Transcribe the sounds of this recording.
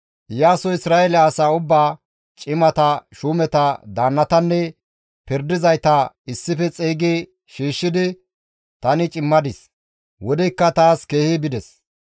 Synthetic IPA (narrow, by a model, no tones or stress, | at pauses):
jaːsɔɪsɾaːɛlːsaːʊbːaː | t͡ʃʼɪmɐt̪ɐʃuːmɛt̪ɐd̪aːnːɐt̪ɐnːɛ | pɪɾd̪ɪzɐjt̪ɐ | ɪsːɪfɛt͡sʼeːɡeː | ʃiːʃːɪd̪ɪ | t̪ɐnɪt͡ʃʼɪmːɐd̪ɪs | wɔd̪ɛkːɐt̪aːskeːhɪbɪd̪ɛs